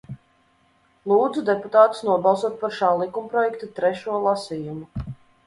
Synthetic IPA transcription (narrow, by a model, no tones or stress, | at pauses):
lˠuːd̪zud̪ɛput̪aːt̪u̥snuɔbɑlˠsuɔt̪̚paɾʃaːlˠikumpɾɔjɛkt̪at̪ɾɛʃuɔlˠasiːjumu